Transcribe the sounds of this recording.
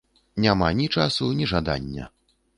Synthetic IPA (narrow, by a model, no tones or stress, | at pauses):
nʲamanʲit͡ʂasunʲiʐad̪a̰nʲːɐ̰